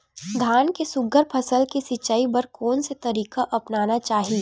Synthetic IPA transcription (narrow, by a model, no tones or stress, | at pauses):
d̪ʱaːnkesʊɡəɾpʰɐsəlkisɪt͡ʃaːibɐɾkoːnset̪ɐɾiːkaʔɐpnaːnat͡ʃaːɦi